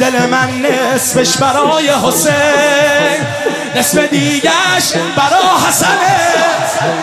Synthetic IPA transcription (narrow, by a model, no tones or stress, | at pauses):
d̪elemænːesbeʃbæɾɒːje̞ɦo̞senː | e̞sfe̞d̪iːɟæʃbæɾɒːɦæsæne